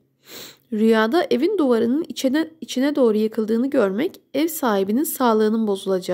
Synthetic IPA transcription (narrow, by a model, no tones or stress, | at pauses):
ɾyjaːd̪aʔevind̪uvaɾɯnɯnit͡ʃʰinɛd̪o̞ːɾujɯkʰɯlˠd̪ɯːnɯɟøɾmɛcɛvsaːhibininsaːlˠɯːnɯnbo̞zulˠad͡ʒa